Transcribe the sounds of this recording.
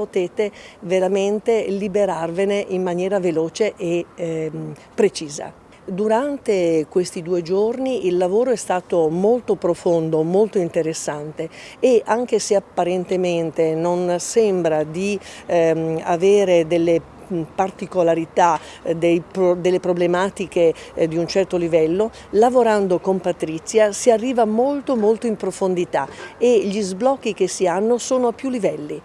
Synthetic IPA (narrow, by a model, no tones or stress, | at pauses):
pot̪eːt̪eveɾament̪elibeɾarveneʔimːanjɛːɾaveloːt͡ʃeʔe | pɾet͡ʃiːza̰ | d̪uɾant̪ekwest̪id̪uːed͡ʒorniʔilːavoːɾoɛst̪aːt̪omolt̪opɾofond̪omolt̪oint̪eɾesːant̪eːʔaŋk̟eseapːaɾent̪ement̪enonsɛmbɾad̪i | a̰veːɾed̪elːe | part̪ikolaɾit̪a | d̪ejpd̪elːepɾoblemaːt̪ik̟ed̪iunt͡ʃɛrt̪olivɛlːo | lavoɾand̪okompat̪ɾit̪sːjasiarːiːvamolt̪omolt̪oimpɾofond̪it̪aeʎizblɔkːik̟esːianːosoːnoapːjulːivɛlːi